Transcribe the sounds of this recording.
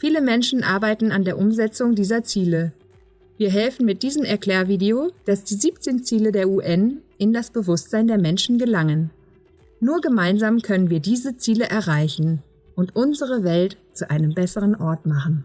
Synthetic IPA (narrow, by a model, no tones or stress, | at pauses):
fiːləmɛnʃn̩ʔaɐbaɪtn̩andeːɐʔʊmzɛt͡sʊŋdiːzɐt͡siːlə | viːɐɦɛlfn̩mɪt̚d̥iːzəmɛɐklɛːɐviːdeod̥asd̥iːziːp̚t͡seːnt͡siːlədeːɐuʔɛnʔɪndasb̥əvʊstz̥aɪndeːɐmɛnʃn̩ɡəlaŋənː | uːɐɡəmaɪnzaːmkʰœnənviːɐdiːzət͡siːləʔɛɐʁaɪçn̩ | ʔʊntʔʊnzəʁəvɛltt͡suʔaɪnəmbɛsəʁənʔɔɐtmaχn̩